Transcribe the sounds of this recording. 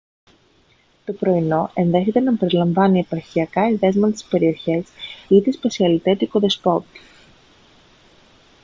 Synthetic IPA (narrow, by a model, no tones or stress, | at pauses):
t̪o̞pɾo̞ino̞e̞nðe̞çe̞t̪e̞nɐpe̞ɾilɐɱvɐniepɐɾçiɐkɐiðe̞zmɐt̪e̥spe̞ɾio̞çe̞sit̪espesiɐlit̪et̪ikoðe̞spo̞t̪